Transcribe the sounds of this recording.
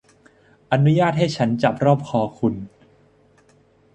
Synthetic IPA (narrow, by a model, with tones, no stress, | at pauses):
ʔa˧nu˦˥jaː˥˩t̪̚ha˥˩jt͡ɕʰa˦˥nt͡ɕa˨˩p̚ɾɔː˥˩p̚kʰɔː˧kʰu˧n